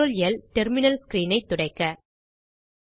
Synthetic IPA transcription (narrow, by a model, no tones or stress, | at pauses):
ɔljɐlʈɛɾmɪnɐlskɾiːnɐɪt̪ːʊɽɐɪkːɐ